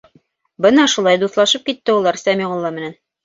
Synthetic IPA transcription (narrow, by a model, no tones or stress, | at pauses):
bɤnɑʃulˠɑjd̪uθlˠɑʃɤp̚kit̪ːɘulˠɑɾsæmiʁŏlˠːɑmɘ̆næn